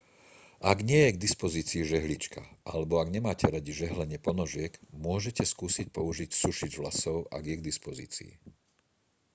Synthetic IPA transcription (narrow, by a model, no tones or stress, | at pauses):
ʔaɡɲɪɛjɛɡd̪ispɔziːt͡siːʒɛɦlit͡ʃkaʔalɛbɔaɡɲɛmaːcɛɾaɟiʒɛɦlɛɲɪɛpɔnɔʒɪɛɡmʊɔʒɛcɛskuːsic̚pɔuʒicsuʃid͡ʒʋlasɔʊʔa̰ɡjɛɡd̪ispɔzḭːt͡sḭː